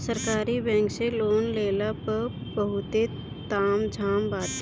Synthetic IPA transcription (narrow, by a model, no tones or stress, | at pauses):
səɾkaːɾibɛ̃ːŋkseloːnleːlapəɾbəɦʊt̪e | t̪aːmd͡ʒʱaːmbaːt̪̚